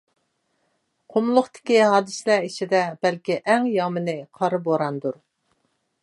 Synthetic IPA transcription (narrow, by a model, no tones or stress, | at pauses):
qʰomlˠʊχt̪ɪ̥kʲiɦɑːd̪ɨslæit͡ʃʰɪd̪ɛbɛlkʲiʔɛŋjɑmɪnɪqʰɑɾɨboɾɑnd̪uɾ